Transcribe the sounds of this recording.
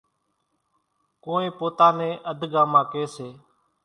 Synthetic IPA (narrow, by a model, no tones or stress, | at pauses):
kõːẽːpoːt̪aːnẽːʔəd̪ʱɡaːmaːkeːseː